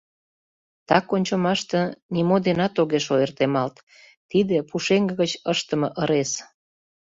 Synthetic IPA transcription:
t̪ɑkonʲt͡ɕomɑʃt̪ə̆nimod̪enɑt̪oɣeʃoert̪emɑlt̪ | t̪id̪epuʃeŋɡə̆ɣət͡ɕəʃt̪əməʔəɾes

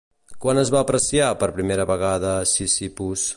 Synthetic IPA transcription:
kwanəzβaːpɾəsiapəɾpɾimeɾəβəɣ̞aðəsisipus

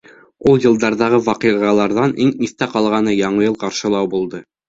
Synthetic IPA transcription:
ulˠjɤ̆lˠd̪ɑɾðɑʁɤwɑqiʁɑlˠɑɾðɑnʔiŋiθt̪æqɑlˠʁɑnɤjɑɴɤjɤlˠqɑɾʃɤ̆lˠɑwbulˠd̪ɤ

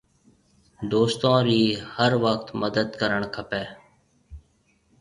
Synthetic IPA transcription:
d̪oːst̪õːɾiːhəɾʋəkt̪məd̪əd̪kəɾəɳkʰəpɛː

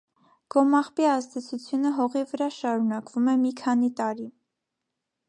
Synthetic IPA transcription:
ɡ̥ɔmɑχpiɑzd̪ɛt͡sʰut͡sʰjunəɦɔʁivəɾɑʃɑɾunɑkv̥umɛmikʰɑn̪it̪ɑɾi

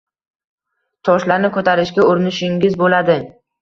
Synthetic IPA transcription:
t̪ʰɒʃlaɾnɪkʰɵt̪ʰaɾɪʃɡʲaʊɾɪnɪʃɪŋʲɪzbolad̪ɪ

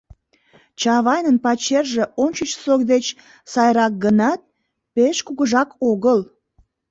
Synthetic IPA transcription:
t͡ɕɑβɑjnənpɑt͡ɕerʒe̽ʔonʲt͡ɕət͡ɕsokd̪et͡ɕ | sɑjɾɑk̚ɡənɑt̪̚ | peʃkuɣəʒɑkʰoɣəl

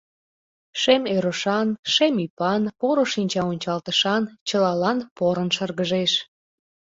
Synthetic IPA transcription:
ʃemeɾoʃɑnʃemipɑnpoɾoʃinʲt͡ɕɑonʲt͡ɕɑlt̪əʃɑnt͡ɕəlɑlɑnpoɾənʃərɣəʒeʃ

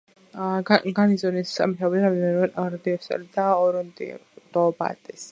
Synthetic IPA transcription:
aɡanizɔnissa̰mit̪ʰabɾamd̪ɛnɛɾad̪iɔsa̰lid̪aɔɾɔnd̪ḭd̪̥ɔba̰t̪ʼɛs

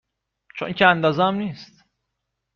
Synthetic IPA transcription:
t͡ʃʰo̰ncʰeænd̪ɒːzɛæmniːst̪

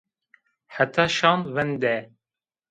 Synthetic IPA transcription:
ħæt̪ʰɑːʃɑːnvɛnd̪ɛ

